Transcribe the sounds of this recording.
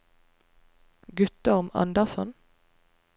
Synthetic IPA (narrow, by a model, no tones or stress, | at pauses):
ɡʉt̪̚d̪ɔʁmɑ̰nd̪əʁsɔn